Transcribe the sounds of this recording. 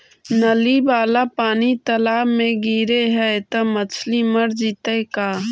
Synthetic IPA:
nəlibaːlapaːnit̪ɐlaːbmẽɡiːɾeɦɛt̪ɐmət͡ʃʰliməɾd͡ʒit̪əkaː

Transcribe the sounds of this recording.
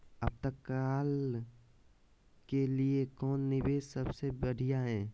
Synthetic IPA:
əb̚t̪əkːaːl | keliekɔːnːɪbeːssəbsebəɽ̤ijaɦɛ̃ː

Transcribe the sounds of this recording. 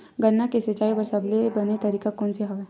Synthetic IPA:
ɡɐnːakesɐt͡ʃaːipɐɾsɐblebɐnet̪ɐɾiːkakoːnseɦɐʋɛ

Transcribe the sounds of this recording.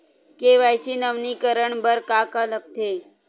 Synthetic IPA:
keʋajsinəʋnikəɾəɳbəɾkakalək̚t̪ʰe

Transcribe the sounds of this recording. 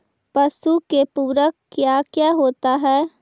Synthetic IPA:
pɐsukepuːɾəkːjaːkjaːɦoːt̪aɦɛː

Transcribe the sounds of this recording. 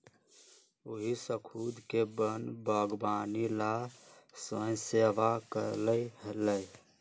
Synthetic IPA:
oɦisəkʰuːd̪kebənbəɡbaːnilasəjseːʋakə̰ɾləiɦələj

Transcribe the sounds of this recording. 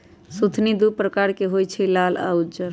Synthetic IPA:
sut̪ʰnid̪upɾəkaɾkeɦojt͡ʃʰilala̰ud͡ʒəɾ

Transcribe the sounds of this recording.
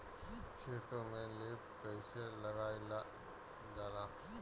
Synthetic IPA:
kʰeːt̪õmẽleː | pɛːselɐɡaːi | daːlãː

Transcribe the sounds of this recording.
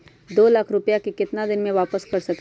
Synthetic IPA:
d̪oːlaːkʰɾʊpjakikɪt̪nad̪ɪnmẽʋaːpəskɐɾsɐk

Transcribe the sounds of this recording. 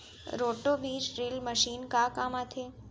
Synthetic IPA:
ɾoʈoʋiɾɾilməʃinkakamãt̪ʰe

